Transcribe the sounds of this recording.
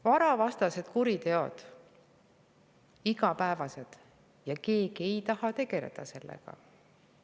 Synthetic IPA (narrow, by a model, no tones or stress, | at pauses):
vɑɾɑvɑst̪ɑse̞d̪̥kuɾit̪e̞o̞̰d̪̥ | iɡ̥ɑpæevɑse̞d̪̥ | jɑke̞ːɡ̥ie̞jt̪ɑhɑt̪e̞ɡ̥e̞le̞̰d̪̥ɑse̞lːḛɡ̥ɑ̰